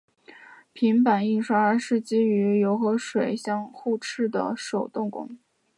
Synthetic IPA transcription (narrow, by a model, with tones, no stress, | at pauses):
pʰi˧˥ŋpa˨˩ni˥˩nʂwa˥ə˧˥ʂɻ̩˥˩t͡ɕi˥y˧˥jo˧˥ʊxɤ˧˥ʂwe˨˩ɪɕjɑ˥˧ŋxu˥˧ʈ͡ʂʰɻ̩˥˩d̪ə̰˩ʂo˨˩ʊt̪ʊ˥˩ŋkʊ̰˥ŋ